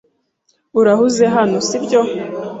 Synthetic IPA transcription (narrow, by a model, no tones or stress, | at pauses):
uɾahuzeɦanosibɟo̞